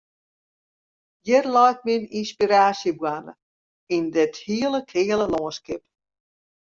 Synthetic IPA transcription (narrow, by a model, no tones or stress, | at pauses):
jɪrlɔjt̚mininspiɾaːsjəbwanə̰ | indɪthiələkʰhɪələlɔːənskɪp